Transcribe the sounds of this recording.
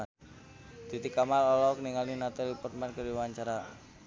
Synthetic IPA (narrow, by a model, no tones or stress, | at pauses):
d̪̥it̪ikamalɔlɔkniŋalinat̪alipɔt̪mankəɾiwaɲt͡ʃaɾa